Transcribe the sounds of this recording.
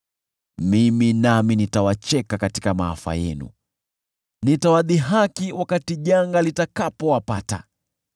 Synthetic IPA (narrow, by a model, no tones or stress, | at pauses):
miminaminitawat͡ʃɛkakati̥kamaa̰fa̰jɛ̰nṵ | nitawaðiɦakiwakatiʄaŋɡalitakapɔwapata̰